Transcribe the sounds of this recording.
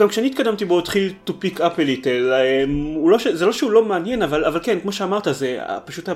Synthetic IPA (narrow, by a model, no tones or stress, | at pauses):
ɡamkʃeanit̪kadamt̪ibo̞tχilt̪upikapelitelemulo̞ʃezelo̞ʃeulo̞meanje̞navalavalkenkmo̞ʃeamaʁtazea̰paʃuta